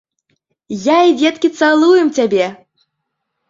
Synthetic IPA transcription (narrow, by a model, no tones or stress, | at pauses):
jaid͡zʲɛt̪kʲit̪salˠujɛmt͡sʲabʲɛ